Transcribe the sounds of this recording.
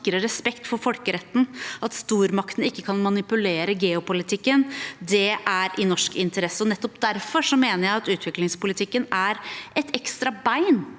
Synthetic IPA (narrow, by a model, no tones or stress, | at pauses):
kɾəɾɛspɛkt̪fɔɾfɔlkəɾɛt̪ːn̩ɑt̪st̪uːɾmɑkt̪n̩ɪkːəkʰɑnmɑnɪpʉleːɾəɡeːʊpʊlɪt̪ʰɪkːənd̪ɛʔæɾʔɪnɔʂkɪnt̪əɾɛsəɔnɛt̪ːɔpd̪æɾfɔʂɔmeːnəɾjæɪɑt̪ʉːt̪ʰʋɪklɪŋspʊlɪt̪ʰɪkːənæɾʔɛt̪ɛkst̪ɾɑbæɪn